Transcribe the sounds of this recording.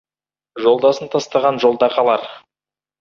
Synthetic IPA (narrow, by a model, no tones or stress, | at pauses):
ʒo̞lˠd̪ɑsənt̪ʰɑst̪ɑʁɑnʒo̞lˠd̪ɑqʰɑlˠɑɾ